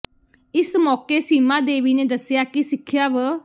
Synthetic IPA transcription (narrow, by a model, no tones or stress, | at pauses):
ɪsmɔːkeːsiːmãːd̪eːʋiːneːd̪əsɪjaːkisɪkʰːjaːʋə